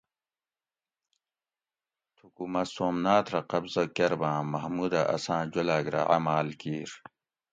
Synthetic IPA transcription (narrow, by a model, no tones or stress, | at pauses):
t̪ʰukumɐsoːmnaːt̪ʰɾɐqɐbzɐkeɾbãːmɐɦmud̪aʔɐ̰sãːd͡ʑolaːɡɾa̰a̰maːlkiːɾ